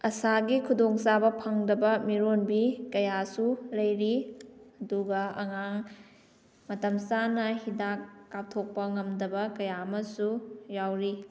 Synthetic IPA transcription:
ɐsaɡikʰudoŋsabɐpʰɐŋdɐbɐmiɾonbikɐjasulɐjɾiɐduɡɐɐŋaŋ | mɐtɐmsanɐhidakːap̚tʰok̚pɐŋɐmdɐbɐkɐjamɐsujawɾi

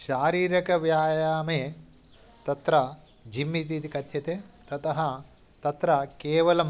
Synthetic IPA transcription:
ʃaːɾiːɾɐkɐʋjaːjaːmeː | t̪ɐt̪ɾɐ | d͡ʒimːit̪̬it̪ikɐt̪jɐt̪et̪ɐt̪ɐɦɐ̆ | t̪ɐt̪ɾɐkeːʋɐlɐm

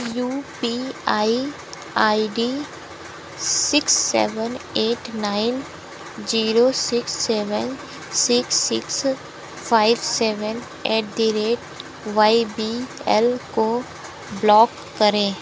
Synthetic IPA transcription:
juːpiaːi | aːiɖi | sɪksːɛ̰ːʋəneːʈnaːɪn | d͡ʒiːɾosɪksːeːʋən | sɪksːɪks | pʰaːɪbsɛːʋən | ɛːʈ̚d̪iɾeːʈ | ʋaːibiɛlko | blɔːkːəɾẽː

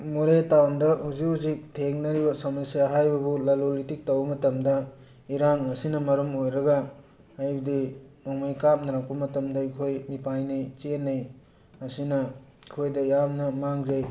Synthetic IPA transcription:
muɾetawndɐhuzuzik̚tʰeŋnɐɾibɐsɐmɐnsijaɦajbɐbulɐlolitik̚tɐwbɐmɐtɐmdɐ | iɾaŋɐsinɐmɐɾumojɾɐɡɐː | jbdimɔŋmajkap̚nɐɾak̚pɐmɐtɐmdɐikʰojmipajnɐjt͡ʃenːɐj | ɐsinɐ | ikʰojdɐjamnɐmaŋzej

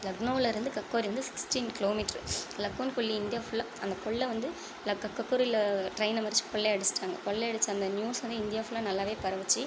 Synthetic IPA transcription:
lɐɡnoːlɐɪɾɯnd̪ɯkɐkːoːɾiʋɐnd̪ɯsɪ̥ksʈiːnkɪloːmiːʈɐɾlɐkːonkɔɭːiɪnd̪ɪjaːfʊɭːɐ | ɐnd̪ɐkɔɭːɐʋɐnd̪ɯ | lɐkːɐkːɐkːʊɾɪlɐʈɾɐɪnɐmɐɾɪt͡ʃːɯ̥kɔɭːeɐɽɯsʈːaːŋɡɐ̰kɔɭːeɐɽɯt͡ʃːɯɐnd̪ɐnjuːsʋɐnd̪ɯɪnd̪ɪjaːfʊlɐnɐlːaːʋeːpɐɾɐʋɐt͡ʃːɯ

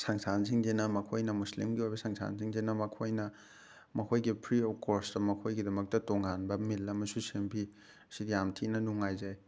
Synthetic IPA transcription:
saŋsanziŋdenɐmɐkʰojnɐmuslimɡiojbɐsaŋsa̰nziŋdenɐmɐkʰojnɐ | mɐkʰojɡipʰɾiokostɐmɐkʰojɡidɐmɐk̚tɐtoŋanbɐmilɐmɐsusempʰi | ɐsidijamtʰinɐnuŋajzaj

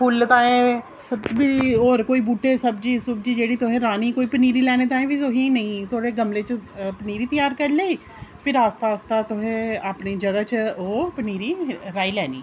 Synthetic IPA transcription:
pʰʊlt̪aːẽː | biːoːɾkoːiːbuːʈːeːsəbd͡ʒiːsʊbd͡ʒiːd͡ʒeːɽiːt̪ʊɦẽːɾaːniːkoːiːpəniːɾiːlɛːneːt̪ãːẽʋiːt̪ʊɦẽnəĩːt̪ʰoːɽeːɡəmleːt͡ʃpəniːɾiːt̪əjaːɾkəɾleː | pʰɪɾaːst̪aːst̪aːt̪ʊɦẽːapniːd͡ʒəɡaːt͡ʃoːpəniːɾiːɾaːilɛːnḭː

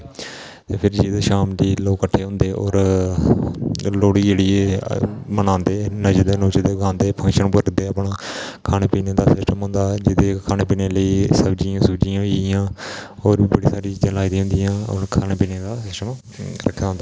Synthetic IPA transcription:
t̪eːpʰɪɾd͡ʒiːd̪eːʃaːmd͡ʒ̪iːloːkːəʈʰːeːɦʊ̃nd̪eːʔɔ̰ːɾ | loːɽiːd͡ʒeːɽiːe | mənãːnd̪eːnəd͡ʒd̪eːnoːt͡ʃd̪eːɡãːnd̪eːpʰə̃ŋkʃənpəɾd̪eːaːpɳaːkʰaːneːpiːneːd̪aːsɪsʈəmɦʊ̃nd̪aːd͡ʒɪd̪eːkʰaːneːpiːneːləiːsəbd͡ʒiãːsʊbd͡ʒijãːijãːoːɾiːbəɽiːsaːɾiːd͡ʒə̃laːid̪ĩːɦʊ̃nd̪ijãːə̰nːkʰaːneːpiːneːd̪aːsɪsʈəm | ɾə̰kʰːjaːɦʊ̃nd̪aː

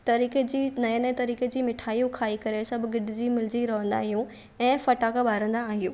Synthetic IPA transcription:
t̪ɐɾiːked͡ʑiːnɐjə̃nɛ̃t̪ɐɾiːked͡ʑiːmɪʈʰaːijũkʰaːikɐɾesɐbʱʊɡɪɖʱɪd͡ʑiːmɪld͡ʑiɾɐʋə̃nd̪a̰ːɦijũ | ɛ̃ːfɐʈaːkbaːɾə̃nd̪aːɦijũː

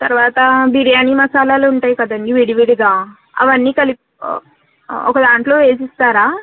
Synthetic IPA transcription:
t̪ɐɾʋaːt̪ɐbiɽijaːniːmɐsaːlaːluuɳʈaːjikɐd̪ɐnːiʋiɽiʋiɽiɡaː | ɐ̰ʋɐnːiːkɐlip | ɔ̰kɐd̪aːɳʈlo̞ːeːs̬ist̪aːɾaː

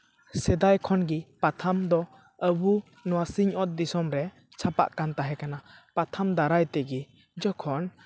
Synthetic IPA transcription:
sɛd̪ajkʰɔnɡipat̪ʰamd̪ɔ | əbu | nɔwasiɲɔt̪̚d̪isɔmɾɛ | t͡ʃʰapa̰ʔkant̪aɦɛkanapat̪ʰamd̪aɾajt̪ɛɡi | d͡ʒɔkʰɔn

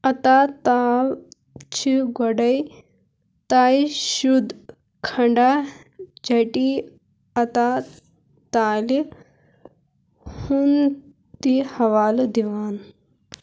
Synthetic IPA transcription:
ɐt̪at̪aːl | t͡ʃʰiɡɔɖɐj | t̪aːiʃud̪ | kʰɐɳɖa | d͡ʒɐʈi | ɐt̪a | t̪aːli | hun | t̪ihɐʋaːld̪iʋaːn

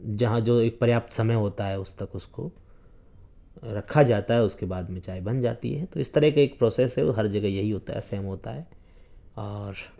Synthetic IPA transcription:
d͡ʒɐɦãd͡ʒoːeːk̚pɾjaːp̚t̪sɐməjɦoːt̪aɦɛʊst̪ɐkʊsko̰ | ɾɐkʰːad͡ʒaːt̪aɦɛʊskebaːd̪mɪ̃t͡ʃaːibɐnd͡ʒaːt̪ḭɦɛt̪oɪst̪ɐɾɛɦkaeːk̚pɾoːseːsɦɛoɦɐɾd͡ʒɐɡəjɐɦiɦoːt̪a̰ɦɛ̰sɛːmɦoːt̪a̰ɦɛː | ɔːɾ

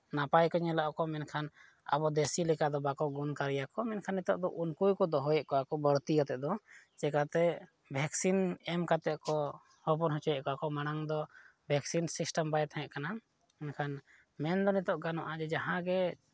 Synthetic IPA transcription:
napajkɔɲɛlaʔɔkɔmɛnkʰan | a̰bɔd̪esilɛkad̪ɔbakɔɡunkaɾijakɔmɛnkʰanːit̪ɔʔd̪ɔʔunkujkɔd̪ɔɦɔjɛʔkɔwakɔbəɾt̪ikat̪ɛʔd̪ɔ | t͡ʃɛkat̪ɛ | bʱɛksinɛmkat̪ɛʔkɔ | hɔpɔnɦɔ̃t͡ʃɔjɛʔkɔakɔmaɽ̃aŋd̪ɔbʱɛksinsisʈəmbajt̪ʰãjɛʔkana | mɛnkʰan | mɛnd̪ɔnit̪ɔʔɡanɔʔad͡ʒɛd͡ʒaɦãɡɛ

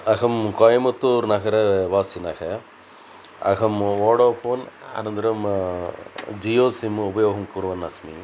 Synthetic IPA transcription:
ɐkʰɐmkɔːjɐmɐt̪ːuɾnɐkʰɐɾɐʋaːsinɐkʰɐ | ɐ̰kʰɐmoːɽoːpʰoːnɐ̰nɐntd̪ɐɾɐm | d͡ʒijoːsimupɐjoːɦɐmkuɾʋɐnːɐsmi

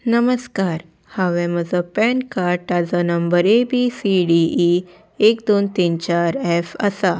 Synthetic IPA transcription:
nəməskaɾ | haʋɛ̃məd͡zɔpɛnkaɾʈad͡zənəmbəɾebisiɖii | ekd̪ont̪int͡ɕaɾefa̰sa

